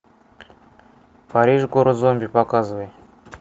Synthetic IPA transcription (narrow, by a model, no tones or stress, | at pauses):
paɾʲiʒɡoɾozomʲbʲipakazvəj